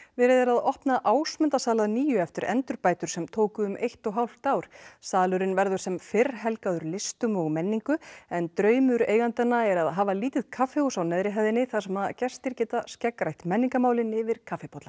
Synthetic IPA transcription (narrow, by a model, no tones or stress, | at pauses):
vɪɾɪðɛɾaðɔhpnaʔaːwsmɛnt̪asaːlaðniːjʏɛft̪ɪɾɛ̰nt̪ʏɾpaːjt̪ʏɾ̥sɛmt̪ʰoːwkʏːmʔejht̪ɔɣɦawl̥t̪awɾ̥saːlʏɾɪnvɛɾðʏɾ̥sɛmfɪɾɦɛlkaðʏɾlɪst̪ʏmɔɣmɛnːiŋkʏɛnt̪ɾœːɥmʏɾeːjɣant̪ɛnːaɛɾaðɦaːvaliːt̪ɪðkʰafɪɔsawnɛðɾɪɦajðɪnɪθḁsɛmaðcɛ̥st̪ɪɾcɛːt̪ascɛkɾajht̪mɛnːiŋkamaːwlɪnɪvɪɾ̥kʰafɪpʰɔt̪la